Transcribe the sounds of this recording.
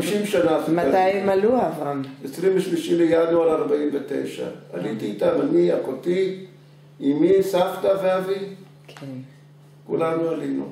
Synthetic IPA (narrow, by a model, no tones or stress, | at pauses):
miʃimʃanazmaajemaluavaesʁimveʃmiʃimlejanualaʁbaimvetḛjʃa̰alitiːtamaniakoti | imisaftaveavi | kʰe | kṵlanualinṵ